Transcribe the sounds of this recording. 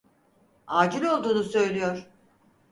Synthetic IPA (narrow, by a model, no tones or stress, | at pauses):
aːd͡ʒilʲo̞lˠd̪uːnusø̞jlʲijoɾ̥